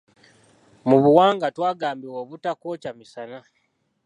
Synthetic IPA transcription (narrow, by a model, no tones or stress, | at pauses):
muβuwaːŋɡatwaːɡaːmbiwoːβutakocamisana